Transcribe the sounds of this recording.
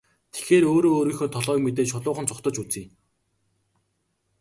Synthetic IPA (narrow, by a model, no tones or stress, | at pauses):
t̪ʰe̥xeːɾoːɾoːoːɾiːxoːt̪ʰɔɮœːkmet̪̬eːt͡ɕʰʊɮʊːχə̆nt͡sʰʊχt̪ə̆t͡ɕut͡siːŋ